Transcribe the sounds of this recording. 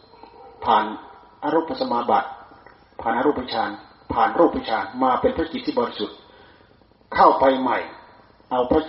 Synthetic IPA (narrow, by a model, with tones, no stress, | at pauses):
pʰaː˨˩n | ʔa˧ɾuː˦˥˩pʰːa˧sa˧maː˧ba˨˩t̪̚ | pʰaː˨˩nʔa˧ɾuː˥˩pʰːt͡ɕʰaː˧n | pʰaː˨˩nɾuː˥˩pʰːt͡ɕʰaː˧nmaː˧pe˧npʰɾa˥ki˨˩t̪ʰːiː˥˩bɔ˨ɾi˦˧su˨˩t̪̚ | kʰa˥˩wpa˧jma˨˩j | ʔa˧wpʰɾa˦˥˩